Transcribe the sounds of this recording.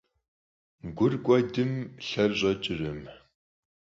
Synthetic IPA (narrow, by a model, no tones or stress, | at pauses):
ɡʷʊrɡʷɔdɨmɬɐrɕʼɐt͡ʃʼɪrɐm